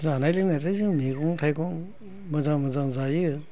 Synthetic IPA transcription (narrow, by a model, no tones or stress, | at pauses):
zanajlɯknatʰajzɯŋmikʰɔŋtʰajkʰɔŋ | mazaŋmazaŋzajɯ